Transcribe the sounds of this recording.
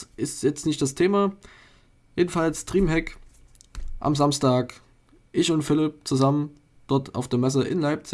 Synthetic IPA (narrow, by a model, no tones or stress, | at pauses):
ʔɪstjɛt͡stnɪçt̚d̥astʰeːma | jeːdn̩falstʁ̥iːmɦɛk | ʔa̰mzamstaːk | ʔɪçʊntfɪlɪp̚t͡suzamən | d̥ɔɐtʰa̰ʊfd̥eːɐmɛs̬əʔɪ̰nlaɪp̚t͡sɪ